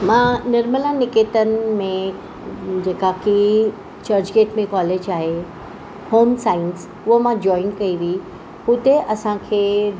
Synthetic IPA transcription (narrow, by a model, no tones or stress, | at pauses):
mãnɐɾməlãnɪkeːt̪ənɪ̆mẽ | d͡ʑeːkaki | t͡ɕɐɾd͡ʑɡeːʈmẽkɔːleːd͡ʑaːɦe | hoːmsaːɪns | ʊɦomãd͡ʑɔːɪnkɐiʋii | ɦʊt̪eʔɐsãkʰeː